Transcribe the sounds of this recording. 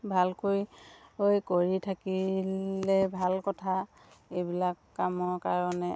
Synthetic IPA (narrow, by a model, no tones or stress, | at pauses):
bʱalkoɹiojkoɹitʰakilɛbʱalkɔtʰa | ejbilakːamɔɹkaɹɔnɛ